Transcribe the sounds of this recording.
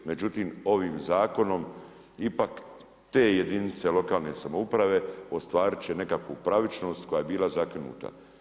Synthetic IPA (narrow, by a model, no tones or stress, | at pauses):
me̞d͡ʒut̪iːmo̞ʋiːmzaːko̞no̞m | ipak | t̪e̞ːjed̪init̪se̞lo̞kaːlˠne̞samoupɾaʋe̞o̞st̪ʋaːɾit͡ʃene̞kakʋupɾaʋit͡ʃno̞ːst̪ko̞jajebiːlazakɾinṵːt̪a̰